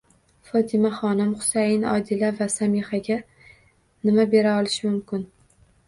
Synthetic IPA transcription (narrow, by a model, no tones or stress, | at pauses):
fɒt̪ʰɪmaχɒnɪmχʊ̥sajɪnɒ̰d̪ɪlavasamihaɡʲa | nɪmabe̞ɾaɒlˠɪʃɪmʊmkʲɪn